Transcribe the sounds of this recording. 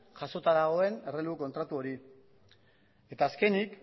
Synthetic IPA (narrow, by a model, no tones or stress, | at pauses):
ʝaso̞t̪aðaɣ̞o̞e̞ne̞reluko̞nt̪ɾat̪uo̞ɾi | e̞t̪aːske̞nik